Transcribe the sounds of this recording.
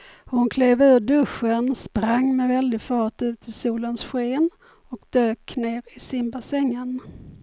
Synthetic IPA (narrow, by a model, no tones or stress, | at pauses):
hʊnkʰleːvʉ̟ːɖɵʂːənspɾaŋːmɛvɛld̪ɪɡfɑːʈʉ̟ːt̪ʰɪlsuːlənsɧeːn | ɔkd̪øːkneːɾɪsɪmbasɛŋːən